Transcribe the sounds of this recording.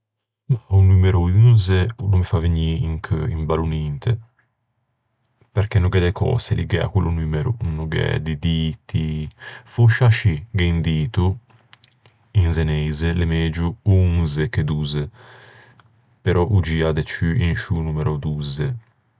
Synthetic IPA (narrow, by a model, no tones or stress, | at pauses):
nɔunumeɾuynzenumifaviɲiiŋkʰimbalunint̪ʰe | peɾkenːuɡɛd̪ɛkʰɔ̰ːselḭɡɛa̰kːwulːunyːmeɾunuɡɛ̰d̪id̪it̪ifuʃaʃiɡeind̪iːt̪u | inzenɛjzelemed͡ʒuunzeked̪uːze | peɾʔɔʔud͡ʒiad̪ɛt͡ʃyinʃunuːmeɾʔɔd̪uze